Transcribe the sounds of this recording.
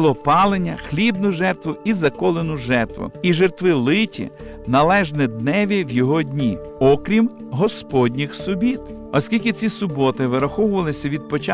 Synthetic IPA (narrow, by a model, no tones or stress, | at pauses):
lˠɔpɑlˠenʲːɐxlʲibnʊʒɛrt̪ʋʊizɐkɔlˠenʊʒɛrt̪ʋʊ̰iʒert̪ʋɪlˠɪtʲḭ | nɐlˠɛʒnɛd̪nɛʋʲiwjɔɦɔdʲnʲi | ɔkɾʲim | ɦɔspɔdʲnʲixsʊbʲit̪ | ɔsʲkʲilʲkɪt͡sʲisʊbɔt̪ɪʋɪɾɐxɔwʊʋɐlˠɪsʲɐʋʲid̪̚pɔt͡ʃa